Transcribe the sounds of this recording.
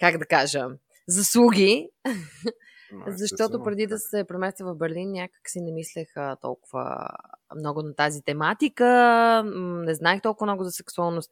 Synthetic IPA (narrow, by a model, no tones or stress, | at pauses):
kaɡd̪ɐkaʒə | zɐslˠuɡʲi | zɐʃt̪ɔt̪opɾɛd̪id̪ɐsɛpɾɛmɛst̪vəvɐvbɛɾlinːʲakə̥ksinɛmislɛxət̪ɔ̰lˠkʊvə̰mnɔɡʊnɐt̪azit̪ɛmat̪ikə | nɛznaixt̪ɔlˠkʊvmnɔɡʊzɐsɛksualˠnost̪